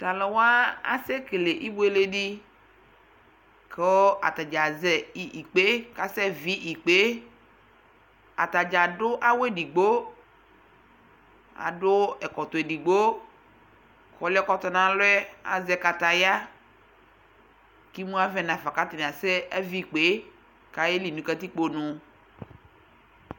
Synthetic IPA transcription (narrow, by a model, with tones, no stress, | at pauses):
t̪a˨le˨wa˦a̰˨se˦ke˨le˨ʔi˦bo˦e˦le˦ɖi˦ | kʰe˦a̰˨t̪a˨d͡ʒa˨zɛ˨i˨i˨k͡pe˦ka˨sɛ˦vi˦ʔi˨k͡pe˦ | a̰˨t̪a˨d͡ʒa˨ɖʊ˦ʔa˦we˦di˨ɡ͡bo˦ | a̰˨dʊ˦ɛ˨kɔ˨t̪ʊ˨e˨di˨ɡ͡bo˦ | kɔ˨lkɔ˦t̪ɔ˦nã˦˨lʊ˦ɛ˦a̰˨zɛ˨ka˨t̪a˨ja˦ | ki˦mũ˦a˦vɛ˦nã˨fa˨ka˦t̪ɪ˨ñ˨ã˨sɛ˦a˦vi˦˨k͡pe˦ | ka˦je˦li˨nũ˨ka˦t̪i˦k͡po˦nʊ̃˨